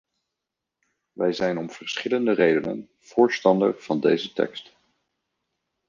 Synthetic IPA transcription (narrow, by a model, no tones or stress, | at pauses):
ʋɛjzɛjnɔmv̥əɹsχɪləndərejdənə̰n | v̥ʊːɹstɑndə̰ɹv̥ɑndejzətɛ̰kst